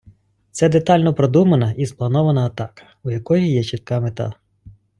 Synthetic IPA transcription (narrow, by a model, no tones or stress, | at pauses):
t̪sɛd̪et̪ɑlʲnɔpɾɔd̪umɐnɐʔisplˠɐnɔʋɐnɐːt̪ɑkɐ̥ujɐkɔjijɛt͡ʃit̪̚kɑmet̪ɑ̰